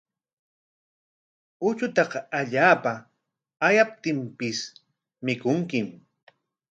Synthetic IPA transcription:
ʊt͡ʃʊt̪ɑqɑaʎaːpa | ajap̚t̪ɪmpɪs | mɪkʊŋkɪm

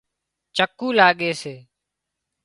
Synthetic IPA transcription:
t͡ʃəkːũːlaːɠeːseː

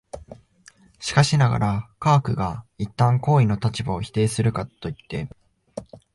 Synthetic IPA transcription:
ɕi̥kaɕinaɡa̰ɾakaːkɯ̟ɡait̪ːãŋko̞ːino̞t̪at͡ɕibao̞çi̥t̪e̞ːsɨɾɯ̟kat̪ːo̞it̪ːe̞

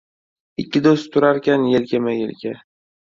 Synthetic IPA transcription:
ɪkʲːɪd̪ost̪ʰʊɾaɾkʲanjelɡʲamajḛlkʲa

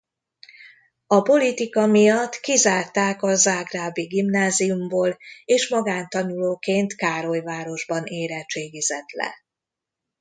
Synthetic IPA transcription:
ɒpo̞lit̪ikɒmijɒt̪ːkizaːrt̪aːkɒzaːɡraːbiɡimnaːzijumboːleːʃmɒɡaːnt̪ɒnuloːkeːnt̪kaːɾo̞jvaːɾo̞ʒbɒneːɾɛt͡ʃeːɡizɛt̪lɛ̰

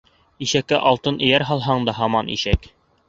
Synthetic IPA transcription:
iʃækːæʔɑlˠt̪ɤnɘ̆jæɾɦɑlˠɦɑɴd̪ɑɦɑmɑnʔḭʃæk

